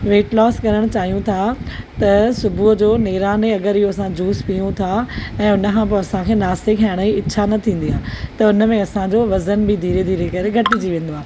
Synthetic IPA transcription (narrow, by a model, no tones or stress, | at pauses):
ʋeːʈlɔːskɐɾəɽ̃t͡ɕaːɦijũt̪ʰat̪ɐsʊbʱuɦd͡ʑoːneːɾaːneɐɡəɾɪɦoɐsãd͡ʑuːspijũt̪ʰaɛ̃ːʊnəkʰãːpoɐsãkʰeːnaːst̪ekʰaːɪɽ̃əiɪɕʰanɐt̪ʰĩːn̆d̪ijaːt̪ɐʊnə̆mẽɐsãd͡ʑoːʋɐzənbɪd̪ʱiːɾed̪ʱiːɾekɐɾeɡʱɐʈɪd͡ʑiʋẽːn̆d̪oaː